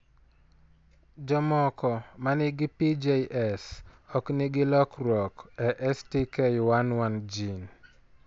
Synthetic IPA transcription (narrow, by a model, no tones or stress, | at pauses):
d͡ʒɔmɔkɔmanɪɡɪpid͡ʒejʔɛsɔknɪɡɪlɔkɾɔkɛʔɛstikɛjwanwand͡ʒin